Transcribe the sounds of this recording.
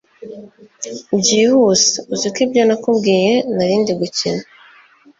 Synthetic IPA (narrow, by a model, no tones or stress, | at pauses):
bɟihuse̥uzikibɟonakubɡiːjenaβiːndiɡucina